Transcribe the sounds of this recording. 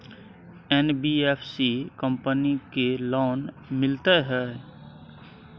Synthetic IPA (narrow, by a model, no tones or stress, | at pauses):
enbiepʰsikəmpənikelɔːn | mɪlt̪eɦɛː